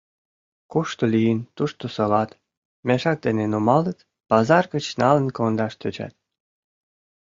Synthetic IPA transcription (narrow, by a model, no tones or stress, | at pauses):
kuʃt̪olijənt̪uʃt̪osɤ̆lɑt̪ | meʃɑk̚d̪enenomɑlət̪ | pɑzɑrɣə̆t͡ɕnɑlə̆nkond̪ɑʃt̪øt͡ɕɑ̰t̪̚